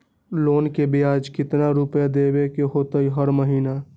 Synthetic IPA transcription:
loːnkebiaːd͡ʒkɪt̪naɾʊpjad̪eːbekeɦoːt̪əiɦəɾməɦiːna

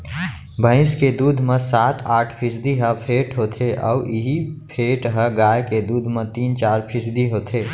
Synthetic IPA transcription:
bʱə̃ɪ̃sked̪uːd̪ʱmẽsaːt̪ʰaːʈʰpʰɪsd̪iɦəpʰeːʈɦoːt̪ʰeʔɔ̰ːʔiɦipʰeːʈɦəɡaːjked̪uːd̪ʱmẽt̪iːnt͡ʃaːɾpʰɪsd̪iɦoːt̪ʰeː

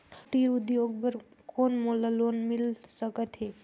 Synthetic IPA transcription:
kʰʈiːɾʊd̪joːɡ̚bəɾ | koːnmolaloːnmɪlsəkət̪ɦeː

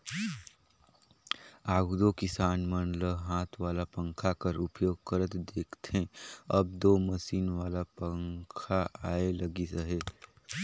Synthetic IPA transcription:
aːɡud̪okɪsaːnmənləɦaːt̪ʰʋaːlapə̃ŋkʰakəɾʊpjoːɡkəɾət̪d̪eːkʰt̪ɦẽəb̚d̪oːməʃiːnʋaːlapəŋkʰaʔaːeləɡisəɦeː

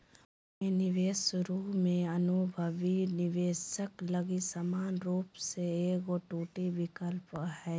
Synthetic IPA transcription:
enɪʋeːsʊɾuːɦmẽɐnubʱəʋinɪʋeːsəklɐɡisamaːnɾuːpseeːɡoʈuːʈiʋɪkəlpɦɛː

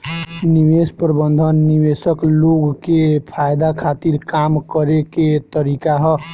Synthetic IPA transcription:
nibespɾəbənd̪ʱənːiβesəkloɡkepʰajd̪akʰat̪iɾkamkəɾeket̪əɾikaɦʌ

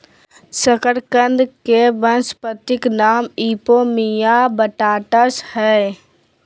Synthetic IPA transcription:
səkəɾkə̃nd̪keʋənspət̪ɪknaːmiːpomijabəʈaːʈəshɛː

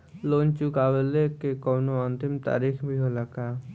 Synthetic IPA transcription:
loːnt͡ʃukaːwelekekɔːnoənt̪ɪmt̪a̰ːɾixbʱiɦolaka

